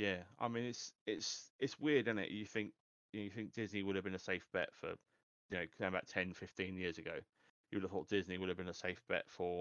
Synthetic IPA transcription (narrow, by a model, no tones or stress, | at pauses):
jæa̰ɪmĩnɪtsɪtsɪtswɪədɪ̃nɪ̰ʔjəθɪ̃ŋk̚ | jɨnəʊjəθɪ̃ŋk̚d̥ɪzniwʊɾəvbĩnəseɪfb̥ɛ̰tfə̰ | jənəʊəbaʊtʰɛ̃nfɪftĩnjɪəzəɡəʊ | jəwʊɾəv̥θɔˑʔd̥ɪzniwʊɾəvbĩnəseɪfb̥ɛ̰tfə